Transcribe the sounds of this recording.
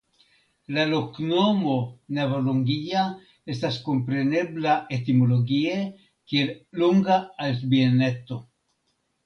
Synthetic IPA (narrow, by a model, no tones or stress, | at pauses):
laloknomo̞nevoloŋɡija | estaskompɾene̞blaet̪imoloɡie | kielluŋɡaːlsbienet̪o